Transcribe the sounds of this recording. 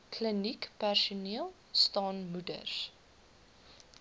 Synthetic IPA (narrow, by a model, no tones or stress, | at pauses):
kʰlənikpærsuniəlˠ | stɑːnmudə̰s